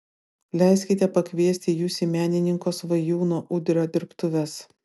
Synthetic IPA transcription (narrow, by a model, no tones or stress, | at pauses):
lʲɛɪsʲkʲɪt̪ʲɛpɐkʲʋʲiɛsʲt̪ʲɪjuːsʲimʲæːnʲɪnʲɪŋkoːsʋɐjuːnoːʔʊd̪ʲɾʲoːd̪ʲɪɾpt̪ʊʋʲɛs